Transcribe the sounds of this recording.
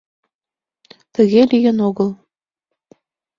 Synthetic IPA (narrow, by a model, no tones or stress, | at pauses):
t̪ə̆ɣelijə̆noɣəlˠ